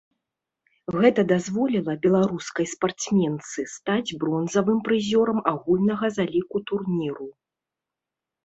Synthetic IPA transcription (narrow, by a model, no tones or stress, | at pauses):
ɣɛt̪ɐd̪azvɔlʲilˠɐbʲɛlˠaɾuskɐjspart̪smʲɛnt̪sɨst̪ad͡zʲbɾɔnzɐvɨmpɾɨzʲɔɾɐmaɣulʲnɐɣɐzalʲikut̪urnʲiɾu